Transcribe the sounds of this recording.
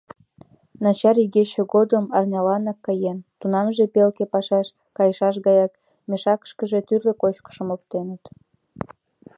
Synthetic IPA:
nɑt͡ɕɑɾiɣet͡ɕeɣod̪əmɑrnʲɑlɑnɑkːɑjent̪unɑmʒepelkepɑʃɑʃ | kɑjəʃɑʃ̬ɣɑjɑk | mʲeʃɑkə̥ʃkəʒet̪yrlekot͡ɕkə̥ʃəmok̚t̪enət̪

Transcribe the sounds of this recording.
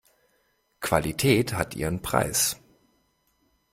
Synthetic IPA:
kv̥alitʰɛːthatʰʔḭːʁənpʁ̥a̰ɪs

